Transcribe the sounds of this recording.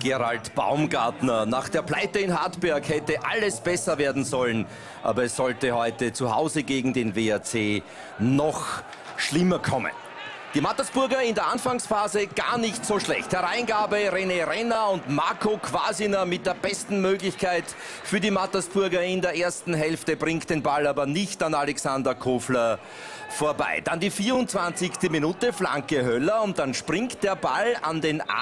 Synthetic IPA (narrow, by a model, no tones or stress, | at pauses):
ɡ̥eʁa̰ltb̥a̰ʊmɡa̰ɐtnɐnaːχd̥eːɐplaɪtəɪnɦatbɛɐkhɛtəʔaləsb̥ɛsɐveːɐdn̩zɔlən | ʔa̰ːbɐɛsːɔltəhɔʏtət͡suha̰ʊzəɡeːɡŋ̩deːnveat͡seː | nɔx | ʃlɪmɐkʰɔmə̰n | d̥iːmatɐsb̥ʊɐɡɐɪndeːɐʔanfaŋsfaːzəɡ̥a̰ːɐnɪçtsoːʃlɛ̰çthɛɐʁãɪnɡaːbəʁeneʁɛnaʊntmaɐkʰokʰv̥a̰ːzɪnɐmɪt̚d̥eːɐbɛstn̩møːɡlɪçkʰaɪt | fyːɐdimatɐsb̥ʊɐɡɐɪndeːɐʔeːɐstn̩ɦɛlftəbʁɪŋkt̚d̥eːnbalaːbɐnɪçtanalɛksandɐkʰoːflɐ | foːɐba̰ɪd̥andiːfiːɐʊnt͡sv̥ãnt͡sɪçstəminuːtəfla̰ŋkəɦœlɐʊnt̚d̥anʃpʁɪŋkt̚d̥eːɐbalanden̰